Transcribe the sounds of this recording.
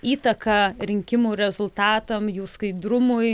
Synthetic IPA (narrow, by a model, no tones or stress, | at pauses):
iːt̪ɐkɐɾʲɪŋʲkʲɪmuːɾʲɛzʊlˠt̪ɑːt̪ɐmjuːskɐɪd̪ɾʊmʊj